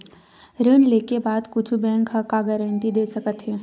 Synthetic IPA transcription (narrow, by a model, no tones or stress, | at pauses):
ɾənleːkebaːd̪kʊt͡ʃʰubɛ̃ːŋkɦəkaɡəɾə̃ɳʈid̪eːsɐkət̪ɦɛː